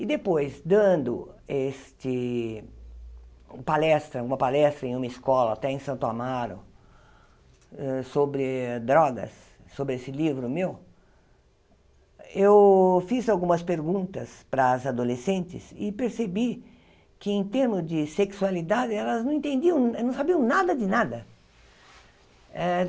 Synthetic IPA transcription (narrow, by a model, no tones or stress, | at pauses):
ɪd̪epojzd̪ɐ̃nd̪ʊ̰est͡ʃ̪ɪ | palɛst̪ɾɐawɡũmɐpalɛst̪ɾɐẽũmɐɪskɔlɐat̪ɛẽj̃sɐ̃nt̪ʊamaɾʊ̰ | ɛsobɾɪd̪ɾɔɡɐ̰sː | obɾɪesɪlivɾʊmew | ewfizawɡũmɐspeɾɡũnt̪ɐspɾɐzad̪olesẽnt͡ʃ̪ɪ̰sɪpeɾsebi | kɪẽt̪eɾmʊzd͡ʒɪseksualid̪ad̪ɪɛlɐznɐ̃ẽt̪ẽnd̪iɐ̃w̃nɐ̃sabiɐ̃w̃nad̪ɐd̪ɪnad̪ɐ | ɛ